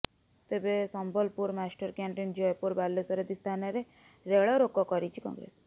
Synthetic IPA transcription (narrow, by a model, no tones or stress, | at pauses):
t̪ebesɔmbʱɔlpuɾmasʈɔɾkaɳʈind͡ʒɔjpuɾbalːesɔɾed̪ist̪ʰanɔɾe | ɾeɭɔɾokɔkɔɾit͡ʃʰikɔ̰̃ŋɡɾḛs